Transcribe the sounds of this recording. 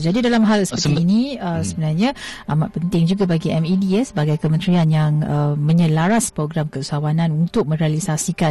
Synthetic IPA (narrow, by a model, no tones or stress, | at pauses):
d͡ʒadidalamɦalsə̥pəɾt̪iːniəsəbənarɲãʔamaʔ̪̚pənt̪ɪŋd͡ʒuɡabaɡiɛmidiɛsəbaɡajkəmə̃nt̪ɾianjaŋəmə̃ɲə̃laɾaspɾoɡɾamkəusawanãnunt̪ʊk̚mə̃nɾealisasika